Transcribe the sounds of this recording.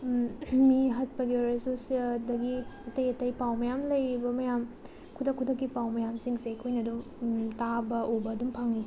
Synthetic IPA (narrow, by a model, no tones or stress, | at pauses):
miɦɐt̚pɐɡiɔɾesosiedɐɡiɐtɐjɐtɐjpawmɐjamlɐjɾibɐmɐjam | kʰudʰɐkʰːudʰɐkːipawmɐjamsiŋsejkʰojnɐdum | tabɐʔobɐːdumpʰaŋi